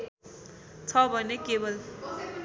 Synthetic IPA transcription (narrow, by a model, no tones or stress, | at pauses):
t͡sʰʌbʱʌnekebʌl